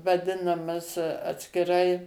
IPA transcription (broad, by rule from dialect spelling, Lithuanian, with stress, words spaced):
ʋɐˈdʲɪnɐmɐs ɐtʲsʲkʲɪˈrɐɪ